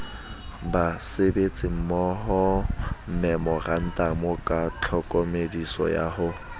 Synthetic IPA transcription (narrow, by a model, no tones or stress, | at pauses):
basebet͡sʼɪm̩mɔɦɔm̩mɛmɔran̩tʼamɔkʼat͡ɬʰɔkʼɔmedisɔ̰ja̰ɦʊ